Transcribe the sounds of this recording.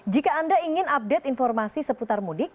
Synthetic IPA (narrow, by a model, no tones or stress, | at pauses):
d͡ʒikaandaiŋɪnap̚det̪infɔrmasisəput̪armudɪk̚